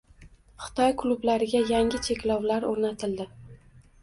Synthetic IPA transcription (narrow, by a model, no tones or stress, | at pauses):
χɨ̥t̪ʰɒjkʰlˠublaɾɪɡʲajaŋʲɪt͡ʃʰe̞kʲlɒwlaɾoɾnat̪ʰɪld̪ɪ